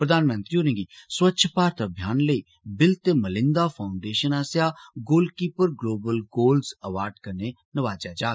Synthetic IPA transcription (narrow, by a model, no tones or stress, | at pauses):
pɾəd̪aːnmə̃nt̪ɾiːɦoːnẽːŋɡiːswətːʃʰpaːɾt̪əbʱjaːnləiː | bɪlt̪eːməlɪ̃nd̪aːpʰaːʊɳɖeːʃənaːsjaːɡoːlkiːpəɾɡloːbəlɡoːlzəʋaːɾɖkəɾneː | nəʋaːd͡ʒaːd͡ʒaː